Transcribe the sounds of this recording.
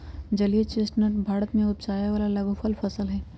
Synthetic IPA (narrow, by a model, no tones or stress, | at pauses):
d͡ʒɐlet͡ʃesʈnəʈbʱaːɾət̪mẽʊt̪̚t͡ʃaːjaʋaːlalɐbofʰəlfʰɐsəlɦɛː